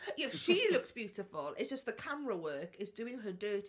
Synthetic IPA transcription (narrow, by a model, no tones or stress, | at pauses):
jɛʃilʊksb̥jʉˑtɪfəlˠɪ̰tsd̥ʒ̥ʌsðəkʰaməɹəwɜˑkɪzdʉːɪ̃ŋədɜːˑt